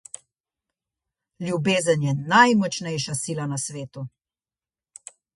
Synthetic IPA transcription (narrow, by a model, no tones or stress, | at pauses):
ljubeːzənjɛnajmɔt͡ʃnɛjʃasiːlanasʋeːt̪u